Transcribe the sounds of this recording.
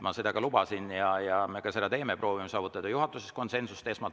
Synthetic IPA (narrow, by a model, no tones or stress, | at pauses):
mɑse̞d̪̥ɑɡ̥ɑlubɑsinjɑjɑme̞kɑse̞d̪ɑt̪e̞ːmepro̞ːvimesɑːvut̪ːˑɑd̪̥ɑjuɦɑt̪ːˑusest̪ko̞nse̞nsust̪e̞smɑ